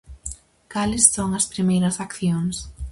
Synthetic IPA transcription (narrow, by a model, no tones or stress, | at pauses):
kalɪsːoŋɐspɾimejɾɐsakθjoŋs